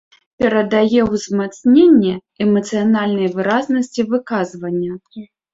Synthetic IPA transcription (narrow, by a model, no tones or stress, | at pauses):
pʲɛɾɐd̪ajɛwzmat̪snʲenʲːɛ | ɛmɐt̪sɨjanalʲnɐjvɨɾaznɐsʲt͡sʲivɨkazvɐnʲːɐ